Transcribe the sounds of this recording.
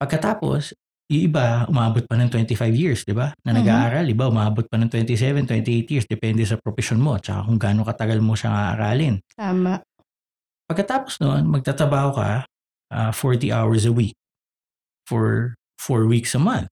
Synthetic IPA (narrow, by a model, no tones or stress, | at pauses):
pɐɡ̚kɐt̪aːpo̞̰s | jʊŋʔɪbaʔʊmaːbot̪̚pɐnɐŋt̪wɛnt̪ɪfajvjiɹsd̪ɪbanɐnɐɡaːʔaːɾɐlɪbaʔʊmaːbot̪̚pɐnɐŋt̪wɛnt̪isɛvɛnt̪wɛnt̪ɪʔejt̪jiɹsd̪ɛpɛnd̪ɛsɐpɾopɪʃonmo̞t͡ʃɐka̰kʊŋɡaːnokɐt̪ɐɡɐlmoʃɐ̰ŋaʔɐ̰ɾa̰ːlɪnt̪aːmaʔ | pɐɡ̚kːɐt̪aːposnoʔonmɐɡ̚t̪aːt̪ɾɐbaːho̞kɐ̰ | ʔafoɹt̪iʔa̰wɛɹs̬ɐwik̚ | foɹ | foɹwiksɐmɐnθ